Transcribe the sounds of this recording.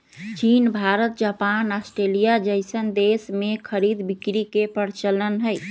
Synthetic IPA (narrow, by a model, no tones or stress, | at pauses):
t͡ʃinbʱaɾət̪̚d͡ʒapanasʈɾelijad͡ʒəɪsənd̪esmekʰəɾid̪bikɾikepəɾt͡ʃələnɦəj